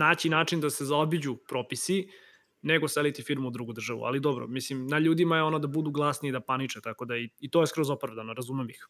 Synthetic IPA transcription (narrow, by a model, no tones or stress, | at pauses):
naːt͡ɕinaːt͡ʂind̪ase̞zaobid͡ʑupɾo̞ːpisi | neɡoselit̪ifiɾmuːd̪ɾuɡud̪r̩ʒaʋṵa̰lid̪obɾo̰mislimnaʎuːd̪imajeo̞nod̪abud̪uɡlˠaːsniːd̪apanit͡ʂet̪ako̞d̪aiit̪ojeskɾozopɾavd̪anoɾazumemix